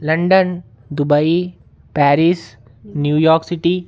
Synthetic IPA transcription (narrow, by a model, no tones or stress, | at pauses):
lɐ̃ɳɖən | d̪ʊbai | pɛːɾis | njuːjɔːɾksiʈi